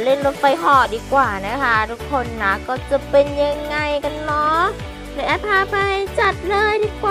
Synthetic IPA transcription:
le˧˩˨nlo˧˥t̪̚fa˧˩jɦɔː˧˩diː˧˦kwaː˨˩na˧˥kʰa˦˥t̪ʰu˧kʰːo˧˩˨nːa˧˥kɔː˧˩t͡ɕa˨˧˩pe˧nɲa˧ŋːa˧˩jka˧˨nːɔ˧˥ | la˧˩ʔaː˧t̪ʰːaː˧pa˧ht͡ɕa˨˩t̪̚lɤː˧˥˨jdiː˧˩kwaː˧˨

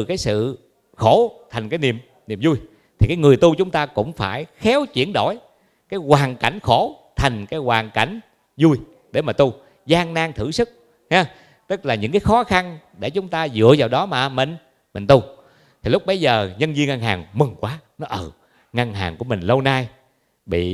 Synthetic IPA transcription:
kaː˨˦jsɨ̰˧˨ | xo˧˩t̪ʰa˨˩jŋ̟kaː˨˦jnḭ˧˨əm | nḭ˨mzu˧j | t̪ʰi˨˩kaː˨˦jŋɨ˨˩əjt̪u˧t͡ɕʊ˨˦ŋ͡mt̪aː˧kʊ̰˧˥ŋ͡mfaː˧˩jxɛ˨˦wt͡ɕwi˧˩ənɗo̰˧˩˨j | kaː˨˦jkwaː˨˩nka̰˧˩jŋ̟xo˧˩t̪ʰa˨˩jŋ̟kaː˨˦jkwaː˨˩nka˧˩jŋ̟ | zu˧j | ɗe˧˩maː˨˩t̪u˧ | zaː˧ŋnaː˧ŋt̪ʰɨ̰˧˩sɨ˦˥k̚ | hɛ˨˦ | t̪ɨ˦˥k̚laː˨˩ɲɨ̰˧˥ŋkaː˨˦jxɔ˨˦xa˧nɗe˧˩t͡ɕʊ˨˦ŋ͡mt̪aː˧zɨ̰˧˨əzaː˨˩wɗɔ˨˦maː˨˩mï˨˩ŋ̟ | mï˨˩ŋ̟t̪u˧ | t̪ʰi˨˩lʊ˥k͡p̚ɓə˨˧˦jzəː˨˩ɲə˧nzi˧ə˧ŋa˧ŋɦaː˨˩ŋmɨ˨˩ŋkwaː˨˦nɔ˨˦ʔəː˧˩ | ŋa˧ŋɦaː˨˩ŋku˧˩əmï˨˩ŋ̟lə˧wnaː˧j | ɓḭ˧˨

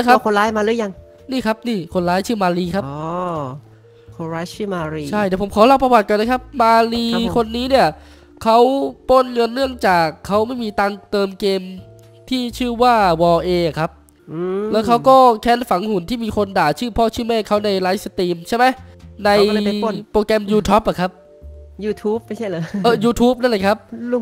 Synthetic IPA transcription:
a˦kʰa˦˥˦kʰo˧nlaː˦˥jmaː˧lɯː˦˥ja˧ŋ | niː˥˩kʰa˦˥p̚niː˥˩kʰo˧nlaː˦˥jt͡ɕʰɯː˥˩maː˧liː˧kʰa˦˥˧ | kʰo˧ɾa˦˥t͡ɕʰɯː˥˩maː˧ɾiː˧t͡ɕʰa˥˧˩jdɛː˧˩pʰo˩˦mkʰɔː˨˩˦la˧˩wpɾa˧waː˨˩t̪̚kɔː˧nla˦˥kʰa˦˥p̚maː˧liː˧˦kʰo˧nːiː˦˥ni˥˩ɐ | kʰa˦˥wpo˥˩nŋɤ˧nːɯ˥˩əŋt͡ɕaː˨˩kʰːa˦˥wma˥˩jmiː˧t̪aː˧ŋt̪ɤː˧mkeː˧m | t̪ʰiː˥˩t͡ɕʰɯː˥˩waː˥˩wɔː˧ʔeː˧ʔa˨˩kʰa˦˥p̚ | ʔɯː˧lɛː˦˥wkʰa˦˥wkɔː˥˩kʰɛː˦˥nfa˩˦ŋhu˨˩˦nt̪ʰiː˥˩miː˧kʰo˧ndaː˨˩t͡ɕʰɯː˥˩pʰɔː˥˩t͡ɕʰɯː˥˩mɛː˥˩kʰːa˦˥wna˧jlaː˦˥jsa˧t̪iː˧mt͡ɕʰa˥˩jma˦˥jna˧jpɾoː˧kɛ˧mjuː˧t̪ʰuː˦˥p̚ʔa˨˩kʰa˦˥p̚ | juː˧t̪ʰuː˦˥p̚ma˥˩jt͡ɕʰa˥˩jlɤː˨˦ʔɤː˧˩juː˧t̪ʰuː˦˥p̚na˥˩nla˧˩kʰa˦˥p̚

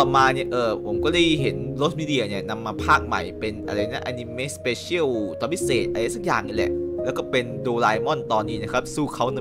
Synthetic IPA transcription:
ɔː˨˩maː˧ni˥˩ɐʔɤː˨˩pʰo˩˦mkɔː˥˩da˥˩jɦe˩˦nlo˦˥t̪̚miː˧˥di˧ɐ˧ni˥˩ɐna˧mːaː˧pʰaː˥˩k̚ma̰˨˩jpe˧nʔa̰˧ɾa˧jːŋa˦˥ʔa˧ni˧meː˦˥speː˧sʰi˦˥ə˨˩wt̪ɔː˧˦mi˦˥seː˨˩t̪̚ʔa˧ɾa˧˦˥sa˦˥k̚jaː˨˩ŋi˧˩lɛ̰˨˩ʔlɛː˦˥wkɔː˥˩pe˧ndoː˧laː˧jmɔ˥˩nt̪ɔː˧nːiː˦˥na˦˥kʰa˦˥p̚suː˥˩kʰa˦˥wnɯ˧˦

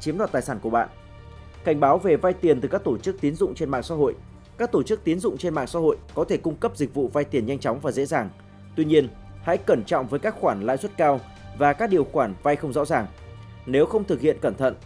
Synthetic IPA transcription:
t͡ɕi˨˦mɗwaː˨˩t̪aː˨˩saː˧˩nku˧˩əɓa̰ː˧˨n | ka˧˩jŋ̟ɓaː˨˦wve˨˩va˧jt̪i˨˩ənt̪ɨ˨˩kaː˦˥k̚t̪o˧˩t͡ɕɨ˦˥k̚t̪i˨˦ənzʊ̰˧˨ŋ͡mt͡ɕe˧nma̰ː˧˨sa̰˧˥ɦo̰˧˨j | kaː˦˥k̚t̪o˧˩t͡ɕɨ˦˥k̚t̪i˨˦ənzʊ̰˧˨ŋ͡mt͡ɕe˧nma̰ː˧˨ŋsa̰ː˧˥ho̰˧˨jkɔ˨˦t̪ʰe˧˩kʊ˧ŋ͡mkə˦˥p̚zï˨˩k̟̚vṵ˧˨va˧jt̪i˨˩ənɲa˧jŋ̟t͡ɕɔ˨˦wŋ͡mvaː˨˩zḛ˧˥zaː˨˩ŋ | t̪wi˧ɲi˧ən | ha̰˧˥jkə˧˩nt͡ɕɔ̰˧˨wŋ͡mvəː˨˦jkaː˦˥k̚xwaː˧˩nla̰ː˧˨jswə˦˥t̚kaː˧w | vaː˨˩kaː˦˥k̚ɗi˨˩əwxwaː˧˩nva˧jxə˧wŋ͡mzɔ̰˧˥zaː˨˩ŋ | ne˨˦wxə˧wŋ͡mt̪ʰɨ˨˩k̚hḭ˧˨ənkə˧˩nt̪ʰə̰˧˨n

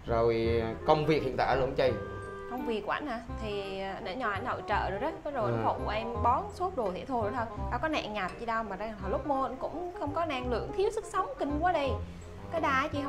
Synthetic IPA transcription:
zo˨˩jkə˧wŋ͡mvi˨˩ək̚hḭ˧˨nt̪a̰ː˧˩˧lɨ̰˧˩ə˦ŋt͡ɕə˧j | kə˧wŋ͡mvi˨˩əkːʔa̰˧˩˦n̟aː˧˩t̪ʰi˨˩˨nə̰˧˩˥ɲɔ˨˩ʔa̰˨˧˩jnɗo̰˧˨jt͡ɕə̰ː˧˨ɗ̚zə˨˦ɓɔ˨˦zo˨˩ʔa˨˩fo̰˧˩ŋ͡mkṵ˧˩ʔɛ˧mɓɔ˨˦nsu˦˥p̚ɗu˨˩t̪ʰɛ̰˧˩˥t̪ʰu˨˩ɾt̪ʰːjɗaː˧˩kɔ˨˦na̰˧˨ŋɲa˨˩t̚t͡ɕi˧ɗa˧wmaː˨˩zaː˧ŋʰ˨˩aː˨˩lʊ˦˥k͡p̚mo˧kʊ̰˧˥ŋ͡mxə˧wŋ͡mkɔ˨˦naː˧ŋlɨ̰˧˩˨əŋt̪ʰi˨˦əwsɨ˦˥k̚sə˨˦wŋ͡mkï˧ŋ̟kwaː˨˦ɗə˧j | kaː˨˦jɗaː˧˩˦t͡ɕḭ˧˩h

